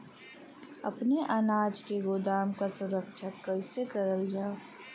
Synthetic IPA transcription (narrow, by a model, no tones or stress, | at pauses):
ɐ̰pneʔanaːd͡ʒkeɡod̪aːmkasʊɾəkʃʰəəɪsekəɾəld͡ʒaːo